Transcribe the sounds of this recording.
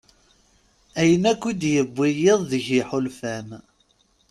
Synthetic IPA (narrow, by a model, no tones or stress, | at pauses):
æjənækʷːid̪jəbːijɪðˤðəʝiħʊlfæm